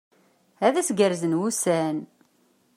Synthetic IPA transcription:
æðæsɡəɾzənwusæn

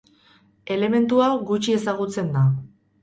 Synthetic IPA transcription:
e̞le̞me̞nt̪uawɡut͡ʃie̞saɣ̞ut͡se̞nd̪a

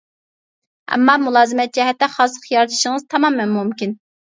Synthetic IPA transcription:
ɛ̰mːɑmulˠɑːzɨmɛt̪̚d͡ʒɛɦɛt̪ːɛχɑsˠə̥qjɑɾd̪ʰɨ̥ʃiŋɨzt̪ʰɑmɑmːɛnmumkʲin

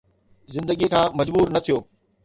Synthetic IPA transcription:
zɪ̃nd̪əɠiekʰãːmɐd͡ʑbuːɾnɐt̪ʰijoː

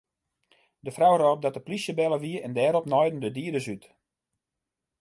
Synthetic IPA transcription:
dəfrawroːp̚dɔt̚əplisjəbɛlˠəʋiəɛndɛːɾɔpnɔjdən̩dədiədəsyt

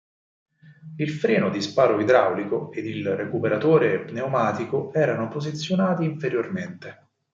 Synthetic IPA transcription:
ilfɾɛːnod̪ispaːɾoid̪ɾawlikoed̪ilrekupeɾat̪oːɾeːpneomaːt̪ikoɛːɾanopozit̪sːjonaːt̪iːɱfeɾjorment̪e

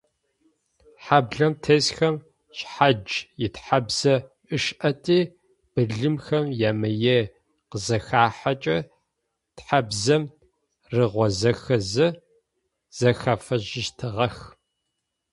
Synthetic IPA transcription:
ħabɮɐmtʰesxɐm | ɕħad͡ʒjɪtħabz̥ɐ | ʔɨʃʔɐtʰʼiː | b̥ɨɮɨmxɐmjaːmɐje | qəzɐxaːħat͡ʃʼɐ | tħabzɐm | rɨʁʷɔzɐxɐzɨ | z̥ɐxɐfɐʑɪʃtʰɨʁɐx

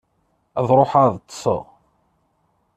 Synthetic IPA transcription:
æðɾˤoħaðˤt̪ˤːsˤə̰ʁ

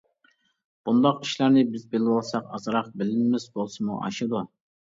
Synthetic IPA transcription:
b̥und̪ɑqiʃlɑɾnɪbɪzbelɪwɑlˠsɑqɑzɨɾɑq̚bɪlɪnmɪzbolˠsɨmṵʔɑ̰ʃɨd̪u

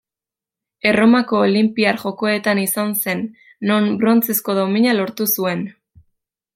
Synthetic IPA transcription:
e̞ro̞mako̞ːlimpiaɾʝo̞ko̞e̞t̪anisanse̞nː | o̞nbɾo̞nt͡se̞skoðo̞miɲalo̞ɾt̪usue̞n

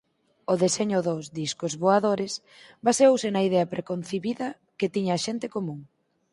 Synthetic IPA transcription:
oðeseɲʊðozðiskʊzβoaðoɾɪs | baseowsɪnɐiðɛɐpɾekonθeβiðɐ | ket̪iɲɐːʃent̪ɪkomũŋ

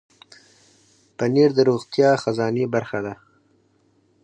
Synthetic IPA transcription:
pəneɾd̪əɾoɣt̪jɑxazɑnebaɾxad̪a

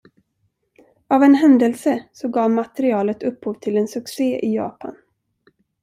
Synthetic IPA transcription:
avɛnɦɛnd̪əlsəsɔɡɑːvmat̪ɛɾɪɑːlət̪ʰɵphuːvt̪ʰɪlɛnsɵkseːʔɪjɑ̰ːpʰa̰n

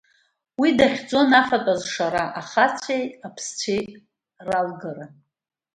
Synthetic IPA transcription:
widaχʲd͡zʼo̞nafatʼazʂaɾaʔaχat͡sʷʰejapʰst͡ɕʷʰej | ralɡara

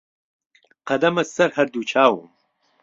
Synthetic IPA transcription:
qɐd̪ɐmɐsɐɾhɐɾd̪ut͡ʃʰaːwṵm

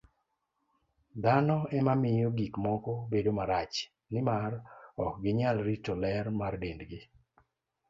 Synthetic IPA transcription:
d̪anɔɛmamɪjoɡikmɔkɔbedomaɾat͡ʃ | nɪmarɔkɡɪɲalɾitɔlɛɾmardendɡɪ

